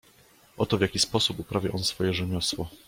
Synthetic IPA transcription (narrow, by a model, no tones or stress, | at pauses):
ʔɔt̪ɔvʲjakʲispɔsupupɾavʲja̰ʔɔnsfɔjɛʐɛmʲjɔswɔ